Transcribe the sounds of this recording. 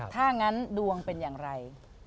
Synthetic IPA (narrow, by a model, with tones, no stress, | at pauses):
t̪ʰaː˥˩ŋa˦˥ndu˧əŋpe˧njaː˨˩ŋɾa˧j